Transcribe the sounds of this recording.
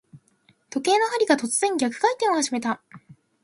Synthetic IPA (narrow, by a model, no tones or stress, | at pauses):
t̪o̞ke̞ːno̞ɦaɾʲiɡat̪o̞t͡sɨz̥ẽ̞ŋɡʲakɯ̟̥kait̪ːemoaɕime̞t̪a